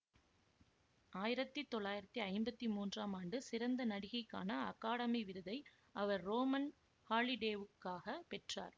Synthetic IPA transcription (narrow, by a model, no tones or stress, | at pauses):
aːjɪɾɐt̪ːit̪ːɔɭːaːjɪɾɐt̪ːiɐɪmbɐt̪ːimuːndraːmaːɳɖɯsɪɾɐnd̪ɐnɐɽɪɣɐɪkːa̰ːnɐɐ̰kːaːɽɐmiʋɪɾɯðɐɪ | ʔɐʋɐɾːoːmɐn | haːɭɪɖeːʋɯkːaːɣɐpɛʈra̰ːɾ